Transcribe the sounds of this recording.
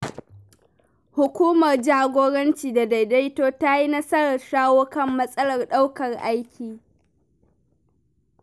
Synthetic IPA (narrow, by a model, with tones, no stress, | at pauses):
hʊ˨kʷuː˦mɐ˨rd͡ʒaː˦ɡʷoː˦ɽɐ˦nt͡ʃiː˨da˨da˨jda˦jtoː˦ta˦ji˦nɐ˦sɐ˦ɽɐ˨rʃaː˦woː˦kɐ˦˨mːɐ˦sʼɐ˦lɐ˨rɗa˦wkɐ˨rʔa˦jkʲʰiː˨